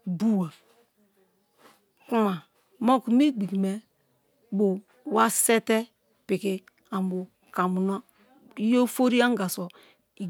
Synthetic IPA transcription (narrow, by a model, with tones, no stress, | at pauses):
bu˦wa˨ | ku˦ma˨ | mo˦ku˨mi˦ɡ͡bi˨kme˨ | bu˨˦ | wa˦sɛ˦tɛ˦ | pi˨ki˦ | a˨m˨bu˨ | ka˨mu˨na˦ | i˦jo˦fo˦ɾi˦a˦ŋ˦ɡa˨so˨ | i˨